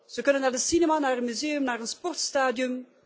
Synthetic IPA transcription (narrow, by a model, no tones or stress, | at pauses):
z̥əkɵnənːaːrdəsinemanaːrənmyzeːəmnaːrənspɔrtstaːdijəm